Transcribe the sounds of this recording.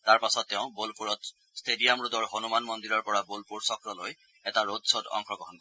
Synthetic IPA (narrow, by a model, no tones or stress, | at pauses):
taɹpasɔtːeʊ̃bolpuɹɔt | stediamɹut̪ɔɹɦonumanmɔnd̪iɹɔɹpɔɹabolpuɹsɔkɹɔloj | ɛtaɹodsodɔ̰ŋkʰɔɡɔɦɔnk